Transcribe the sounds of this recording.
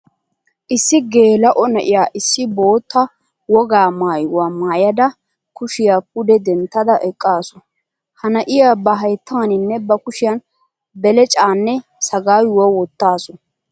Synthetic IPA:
ʔɪsːɪɡe̞ːlɐʔɔnɐʔɪjaːʔɪsːɪbo̞ːt̪ːɐ | wɔɡaːmaːjʊwaːmaːjɐd̪ɐ | kʊʃɪjaːp̚ʊd̪ɛd̪ɛnt̪ːɐd̪ɐʔɛkʼːaːsɔ | hɐnɐʔɪjaːbɐɦɐjt̪ʰːaːnɪnːɛbɐkʊʃɪjan | bɛlɛt͡ʃʼaːnːɛsɐɡaːjwɔwɔt̪ːaːsɔ

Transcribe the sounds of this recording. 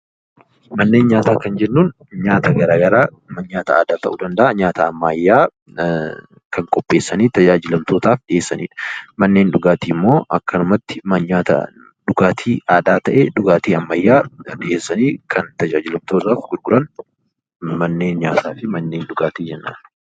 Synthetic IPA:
mɐnːe̞ːnɲaːt̪aːkɐnd͡ʒɛnːuːn | ɲaːt̪ɐɡɐɾaːɡɐɾaː | mɐnɲaːt̪ɐa̰ːd̪aːt̪ɐʔuːd̪ɐnd̪ɐʔɐɲaːt̪ɐːmːɐjːaː | kʰɐŋkʼɔpʼːe̞ːsːɐniːt̪ɐd͡ʒaːd͡ʒɪlɐmt̪o̞ːt̪aːfɗɪʔe̞ːsːɐnḭːᶑɐ̥mɐnːe̞ːnᶑʊɡaːt̪iːmːo̞ːʔɐkːɐnʊmɐt̪ːɪmɐɲaːt̪ɐ̰ | ɗʊɡaːt̪ʰiːʔaːd̪aːt̪ɐʔeᶑʊɡaːt̪iːɐmːɐjːaːᶑɪʔe̞ːsːɐniːkʰɐnt̪ɐd͡ʒaːd͡ʒɪlɐmt̪oːraːfɡʊɾɡʊɾɐn | mɐnːe̞ːnɲaːt̪aːfɪmɐnːe̞ːnɗʊɡaːt̪iːd͡ʒɛnːa̰ː

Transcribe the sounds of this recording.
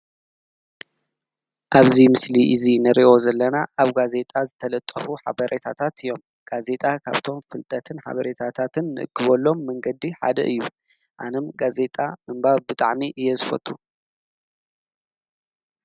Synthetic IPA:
ʔaβzimɨsliʔɨzinɨɾiʔo̞zɐlːɐnaʔaβɡaze̞t̪ʼazɨt̪ʰɐlɐt̪ʼːɐfuħa̰βɐɾʔet̪ʰat̪ʰat̪ɨjːo̞m | ɡ̥aze̞t̪ʼakʰa̰βt̪ʰo̞mfɨlt̪ʼɐt̪ʰɨnħa̰βɐɾet̪ʰat̪ʰat̪ʰɨnːɨʔɨ̰kʰːɨβolːo̞mːɐŋɡɐd̪iħa̰d̪ɐʔɨjːu | ʔa̰nɐmɡaze̞t̪ʼamɨmbaβbɨt̪ʼa̰ʕmiʔɨjːɛzɨfɐ̰t̪ʼːu

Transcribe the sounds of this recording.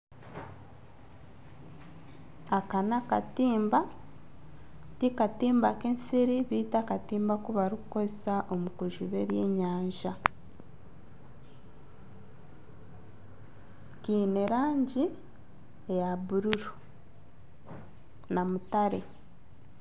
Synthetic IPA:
akanaka̰tiːmba | tikatiːmbakensiɾiβiːtakatiːmbakuβaɾukukozesaʔomukuʒuβe̞ːβjeːɲaːɲʒa | kiːneɾaːɲɟi | ejaβuɾuɾu | namutaɾḛ

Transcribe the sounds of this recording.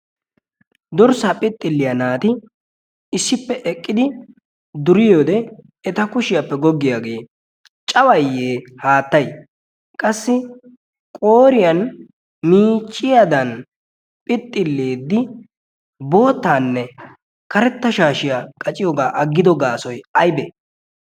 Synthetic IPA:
d̪ɔɾsaːpʼɪt̪ʼːɪlːɪjɐnaːt̪ɪ | ɪsːɪpːɛʔɛkʼːɪd̪ɪ | d̪ʊɾɪjoːd̪ɛ | ɛt̪ɐkʊʃɪjɐpːɛɡɔɡːɪjaɡeː | t͡ʃʼɐwɐjːeːhaːt̪ːɐj | kʼɐsːɪ | kʼo̞ːɾɪjɐn | miːt͡ʃʼːɪjad̪ɐn | pʼɪt̪ʼːɪlːeːd̪ːɪ | bo̞ːt̪ːaːnːɛ | kɐɾɛt̪ːɐʃaːʃɪjakʼɐt͡ʃʼɪjoːɡaːʔɐɡːɪd̪ɔɡaːsɔjɐjbe

